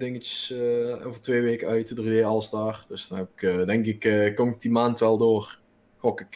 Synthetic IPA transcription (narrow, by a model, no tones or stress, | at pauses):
dɪŋəsoːvərtʋeːʋeːkəœɥtədrideːɑlˠəsdaːrd̥øsd̥ɔnhɛpɪkːdɛŋkɪkːkːomɪk̚d̥imaːntʋɛlˠdoːr | kokɪk